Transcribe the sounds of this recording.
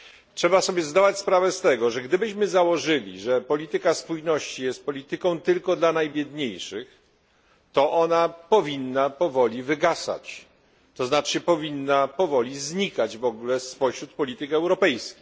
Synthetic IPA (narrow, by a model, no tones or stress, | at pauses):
tʂɛbasɔbʲjɛzd̪avat͡ɕspɾavɛst̪ɛɡɔʐɛɡd̪ɘbɘɕmɘzawɔʐɘlʲḭʐɛpɔlʲit̪ɘkaspujnɔɕt͡ɕijɛst̪̚pɔlʲit̪ɘkɔ̃w̃t̪ɘlkɔd̪lanajbʲjɛd̪ɲejʂɘx | t̪ɔʔɔnapɔvʲinːapɔvɔlʲivɘɡasa̰t͡ɕ | t̪ɔznat͡ʂɘpɔvʲinːapɔvɔlʲizɲikad͡ʑvɔɡulɛspɔɕɾut̪̚pɔlʲit̪ɘkɛwɾɔpɛjskʲi